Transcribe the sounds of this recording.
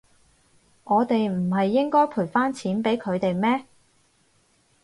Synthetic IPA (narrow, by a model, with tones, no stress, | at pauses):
ŋɔː˨˧t̪e˨jm̩˨˩ɦɐ˨jːɪ˥ŋkɔː˥jpʰu˨˩faː˥nt͡sʰiː˨˥npe˨˥jkʰɵ˨˧ɥt̪e˨jmɛː˥